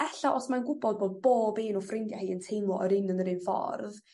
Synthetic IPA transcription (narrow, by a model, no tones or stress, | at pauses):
ɛɬaʔɔsmanɡʊbɔd̚boːd̚boːbeːnɔfrɪndjahiːəntʰejmɔʔɔɾɪnənəɾɨnfɔ̰rð